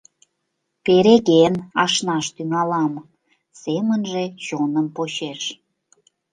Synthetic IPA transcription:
peɾeɣenɑʃnɑʃt̪yŋɑlɑm | semənʒet͡ɕonəmpot͡ɕeʃ

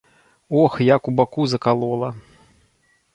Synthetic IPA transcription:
ɔxjakubakuzɐkalˠɔlˠɐ

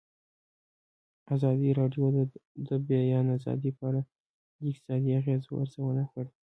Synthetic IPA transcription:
azɑd̪iɾɑɖjod̪d̪əbjɑjɑnazɑ̰d̪ipaaɽa | d̪əɪk̚t̪ɪ̥sɑd̪iaɣezwa̰ɾzawənaxɽi

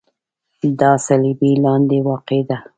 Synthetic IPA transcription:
d̪ɑsalibilɑnd̪ewɑqed̪a

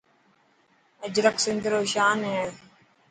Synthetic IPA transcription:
əd͡ʒɾəksɪnd̪ɾoːʃaːnɦeː

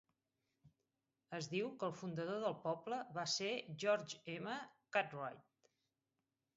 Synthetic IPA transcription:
əzðiwkəlˠfund̪əðoðəlˠpɔbləβaseʒɔɾd͡ʒeməkat̪rajt̪̚

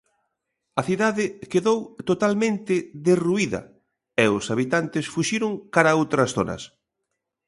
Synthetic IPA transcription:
ɐθiðaðɪkeðowt̪ot̪almẽnt̪ɪðeruiðɐ̰ | ɛʊsaβit̪ant̪ɪsfuʃiɾʊŋkaɾɐowt̪ɾɐsθo̰nɐ̰s

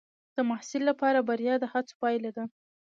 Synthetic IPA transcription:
d̪̥əmahsɪlːapɑɾabaɾjɑd̪əhat͡so̥pɑjlad̪a

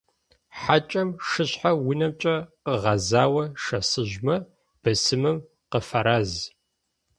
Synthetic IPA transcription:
ħat͡ʃʼɐmʂɨɕħawʊnɐmt͡ʃʼɐqəʁɐzaːwɐʂɐsɨʒmɐ | b̥ɐsɨmɨm | qəfɐɾaːz

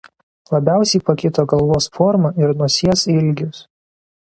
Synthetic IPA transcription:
lˠɐbʲæˑʊsʲɛɪpɐkʲɪt̪oːɡɐlˠʋoːsfɔɾmɐɪɾnʊɔsʲiɛsɪlʲɡʲʊs

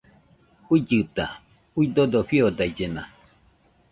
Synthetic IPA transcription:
uid͡ʒɨt̪a̰ | uid̪od̪oɸiod̪ajd͡ʒenã̰

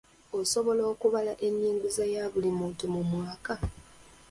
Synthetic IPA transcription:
o̞so̞βo̞lo̞ːkuβalaʔe̞ɲːiːŋɡuzajaːβulimuːntumumwaːka

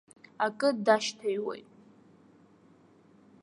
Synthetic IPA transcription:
akʼɨdaʃtʰajwḛjtʼ

